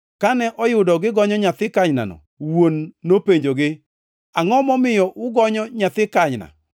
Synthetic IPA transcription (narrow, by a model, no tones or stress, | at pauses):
kanɛʔɔjʊdɔɡɪɡɔɲɔɲat̪ɪkaɲna̰nɔ̰ | wonːopeɲd͡ʒoɡɪ | aŋɔmɔmɪjɔʔʊɡɔɲɔɲat̪ɪkaɲna̰